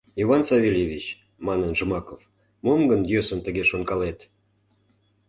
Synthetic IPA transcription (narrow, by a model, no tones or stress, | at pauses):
ivɑnsɑvʲielʲevʲit͡ɕ | mɑnənʒə̆mɑkof | momɡənd̪ʲjøsənt̪əɣeʃonkɑlet̪